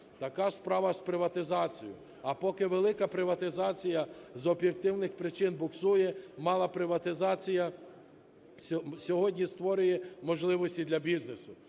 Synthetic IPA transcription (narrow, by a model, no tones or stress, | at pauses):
t̪ɐkɑspɾɑʋɐspɾɪʋɐt̪ɪzɑt͡sʲijʊ̰ | ɐpɔkɪʋelˠɪkɐpɾɪʋɐt̪ɪzɑt͡sʲijɐzɔbjek̚t̪ɪwnɪxpɾɪt͡ʃɪnbʊksujɛmɑlˠɐpɾɪʋɐt̪ɪzɑt͡sʲijɐ | sʲɔɦɔdʲnʲist̪ʋɔɾʊjɛmɔʒlˠɪʋɔsʲtʲid̪lʲɐbʲiznesʊ